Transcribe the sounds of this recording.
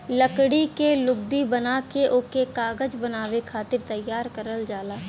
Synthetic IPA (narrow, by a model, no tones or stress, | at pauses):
ləkɽikelʊɡ̚d̪ibənakeʔʊkekaːɡəd͡ʒbənaːʋekʰaːt̪ɪɾt̪ɐjːaːɾkəɾəld͡ʒaːlaː